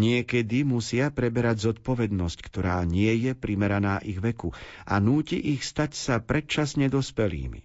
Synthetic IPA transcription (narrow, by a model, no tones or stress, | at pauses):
ɲɪɛkɛd̪imusɪapɾɛbɛɾaɟzɔt̪pɔʋɛd̪nɔsckt̪ɔɾaːɲɪɛjɛpɾimɛɾanaːʔiɣʋɛkuʔa̰nuːciʔixst̪acsapɾɛt̪̚t͡ʃasɲɛd̪ɔspɛlḭːmḭ